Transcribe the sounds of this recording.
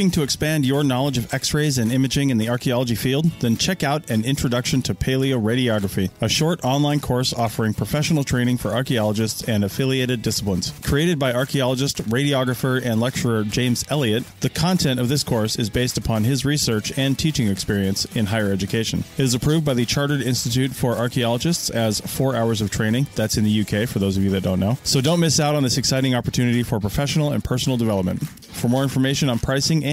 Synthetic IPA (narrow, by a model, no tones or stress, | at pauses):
ɪ̃ŋtʰɨɨkspæ̃ndjə˞nɑlˠəd͡ʒʌvɛksɹeɪzɨ̃nɪ̃mɨd͡ʒɪ̃ŋɨ̃nðiɑɹkiɑlˠəd͡ʒifilˠd̪̚ðɨ̃nt͡ʃʰɛkaʊɾɨ̃nɪ̃nt͡ʃɹ̥ɨdʌkʃɨ̃ntʰɨpʰeɪlˠioʊɹeɪɾiɑɡɹəfiəʃɔɹɾɑ̃nlãɪ̃nkʰɔɹsɔfə˞ɪ̃ŋpʰɹ̥əfɛʃn̩l̩ˠtʰɹ̥ẽɪ̃ñɪ̃ŋfə˞ɑɹkiɑlˠəd͡ʒɨstsɨ̃nɨfɪlˠieɪɾɨdɪsə̥plə̃nskʰɹ̥ieɪɾɨd̚baɪɑɹkʰiɑlˠəd͡ʒɨstɹeɪɾiɑɡɹəfə˞ɨ̃nlɛk̚t͡ʃə˞ə˞d͡ʒẽɪ̃mzɛlˠiɨt̪̚ðɨkʰɑ̃ntʰɛ̃ntʌvðɪskʰɔɹsɨzbeɪstəpʰɑ̃nɪzɹisɜ˞t͡ʃɨ̃ntʰit͡ʃɪ̃ŋɨkspɪɹiɨ̃nsɨ̃nɦaɪə˞ɛd͡ʒɨkʰeɪʃɨ̃nɨɾɨzɨpʰɹ̥ʉvbaɪðɨt͡ʃʰɑɹɾə˞ɾɪ̃nstɨtʰʉtfə˞ʔɑɹkiɑlˠəd͡ʒɨstsɨz̥fɔɹaʊə˞zʌv̥tʰɹ̥ẽɪ̃ñɪ̃ŋðætsɨ̃nðɨjʉkʰeɪfə˞ðoʊzʌvjʉðɨt̚dõʊ̃nːoʊsoʊdõʊ̃nmɪsaʊɾn̩ðɪsɨksaɪɾɪ̃ŋɑpə˞tʰʉnɨɾifə˞pʰɹ̥əfɛʃn̩l̩ˠə̰̃npʰɜ˞sn̩l̩ˠdɨvɛlˠəp̚mə̰̃nt | fə˞mɔɹɪ̃ɱfə˞meɪʃɨ̃nə̃npʰɹ̥aɪsɪ̃ŋ